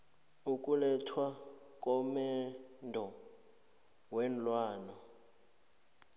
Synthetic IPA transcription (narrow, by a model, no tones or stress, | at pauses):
ukʼulɛtʰwa | kʼɔmɛndʱɔ | wɛn̩lwaːnɔ